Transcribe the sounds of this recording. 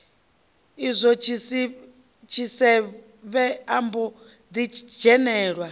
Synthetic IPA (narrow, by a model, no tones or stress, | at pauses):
izʷɔt͡ʃʰisi | t͡ʃʰisɛ | βɛambɔ | d̪id͡ʒɛnɛːɺwa